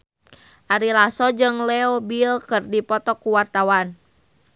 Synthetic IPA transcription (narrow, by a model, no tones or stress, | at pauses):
ʔaɾilasɔd͡ʒɨŋlɛɔbilkɨrdipɔt̪ɔkuwart̪awan